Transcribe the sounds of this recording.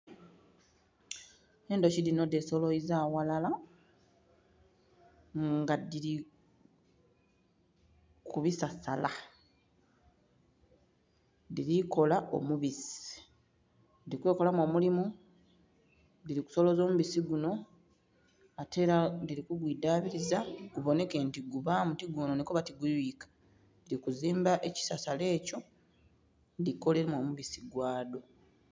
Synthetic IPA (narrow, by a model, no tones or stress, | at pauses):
e̞ːndociɾino̞deso̞loizaːwalala | ŋɡadiɾi | kʰuβisasa̰la | diɾiko̞laʔo̞̰muβisi̥ | nidikwe̞ːko̞lamo̞ːmulimu | diɾiku̥so̞lo̞zoːmuβisiɡuno̞ | ate̞ːɾadiɾikuɡwidaβiɾizaɡ̥uβo̞ne̞ke̞ntiɡuβamutiɡuːnonikoβatiɡuiːkḁ | diɾikuziːmbaʔe̞ci̥sasale̞ːco̞ | ndiko̞leɾemo̞muβisiɡwaːdo̞